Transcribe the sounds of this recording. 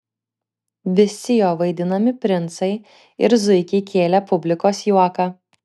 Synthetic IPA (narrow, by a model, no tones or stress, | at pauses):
ʋʲɪsʲɪjoːʋɐɪd̪ʲɪnɐmʲɪpʲɾʲɪnt̪sɐɪ | ɪ̰ɾzʊɪkʲɛɪkʲeːlʲɛpʊbʲlʲɪkoːsjuɔkɑː